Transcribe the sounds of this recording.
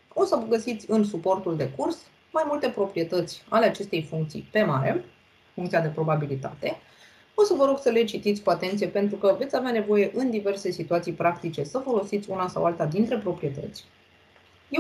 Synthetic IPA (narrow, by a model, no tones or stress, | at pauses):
o̞səvəɡəsit̪sʲɨnsupo̞rt̪uld̪e̞kurs | majmult̪e̞pɾo̞pɾije̞t̪ət̪sʲaleat͡ʃe̞st̪e̞jfuŋk̚t̪sḭjpe̞maɾe̞̰ | fuŋkt̪siad̪e̞pɾo̞babilit̪a̰t̪e̞ | o̞səvəɾo̞ɡsəle̞t͡ʃit̪it̪sʲkuat̪e̞nt̪sije̞pe̞nt̪ɾukəve̞t̪sʲaveane̞vo̞je̞ʔɨnd̪ive̞rse̞sit̪uat̪sijpɾakt̪it͡ʃe̞səfo̞lo̞sit̪sʲunasawalt̪ad̪int̪ɾe̞pɾo̞pɾije̞t̪ə̰t̪sʲ | je